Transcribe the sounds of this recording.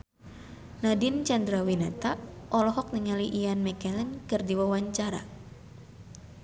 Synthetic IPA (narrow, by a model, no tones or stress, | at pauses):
nadint͡ʃandɾawinɛt̪aʔɔlɔɦɔk̚niŋaliʔijanmɛkɛlənkɨrdiwawaɲt͡ʃaɾa̰